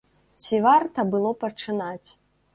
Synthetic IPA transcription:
t͡sʲivart̪ɐbɨlˠɔpɐt͡ʂɨnat͡sʲ

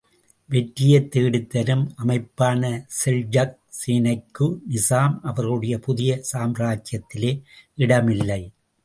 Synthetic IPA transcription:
ʋɛʈɾɪjɐt̪ːeːɽɪt̪ːɐɾɯmɐmɐɪpːaːnɐsɛɭd͡ʒɐk̚siːnɐɪkːɯnɪsaːmɐʋɐɾɯɽɐjɐpʊðɪjɐsaːmɾaːt͡ʃjɐt̪ːɪleːʔɪɽɐmɪlːɐɪ

